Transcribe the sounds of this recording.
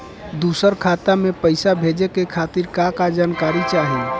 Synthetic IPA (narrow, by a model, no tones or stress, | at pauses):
d̪usəɾkʰat̪amepəɪsabʱed͡ʒekekʰat̪iɾkakad͡ʒankaɾit͡ʃaɦi